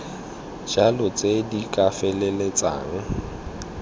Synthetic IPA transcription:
d͡ʒalɔt͡sʼedikʼafɛlelet͡sʼa̰ːŋ̩

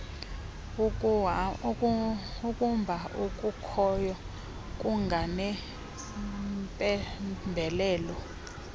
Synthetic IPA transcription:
ukʼumbʱaukʼukʰɔjɔ | kʼuŋɡʱanɛ | pʼɛmbʱɛlɛːlɔ

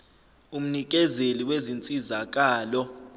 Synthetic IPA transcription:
um̩nik̬ʼɛzeliwezint͡sʼizak̬ʼaːlɔ

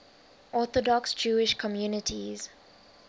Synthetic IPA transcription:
ʔɔθɔdɔksd͡ʒuːɪʃkʰɔmjuːnɪtʰiz̥

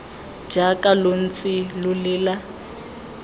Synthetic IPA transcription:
d͡ʒakʼalon̩t͡sʼilʊlɪːla

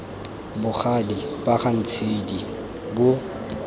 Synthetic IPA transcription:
bʊχadibaχan̩t͡sʰedi | bʊ

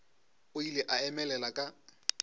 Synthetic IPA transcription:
ʊilɪʔaɛmɛlɛlakʼa

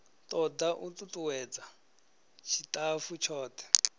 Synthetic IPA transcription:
tɔd̪aʔut̪ʼutuwɛd͡za | t͡ʃʰitʼafut͡ʃʰɔːt̪ɛ̥

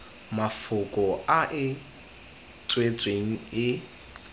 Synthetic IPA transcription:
mafʊkʼɔaʔɪ | t͡sʼwet͡sʼweŋ̩ɪ

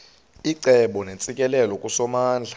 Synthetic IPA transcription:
iǀɛɓɔnent͡sʼikʼɛlɛlɔkʼusɔmaːnd͡ɮʱa

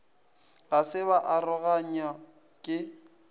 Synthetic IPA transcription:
lasɪβaʔarʊɣaɲa | kʼɪ

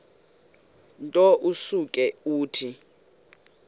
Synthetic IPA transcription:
ntʼɔʔusukʼɛuːtʰi

